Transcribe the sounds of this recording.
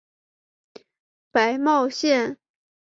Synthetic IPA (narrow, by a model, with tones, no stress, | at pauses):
pa˧˥ɪmɑ˥˧ʊɕjɛ˥˩n